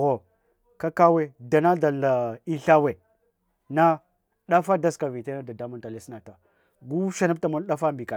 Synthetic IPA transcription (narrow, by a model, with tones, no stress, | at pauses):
ɣo˨ | ka˦ka˦we˦da˨na˦da˨la˨i˦ɬa˦we˨ | na˦ | ɗa˦fa˦da˦ska˨vi˨te˦na˦da˨da˦mu˦nta˨le˦sna˨ta˨ | ɡu˦ʃa˨na˦b̚ta˨mu˦n˦ɗa˦fa˦mbi˨ka˨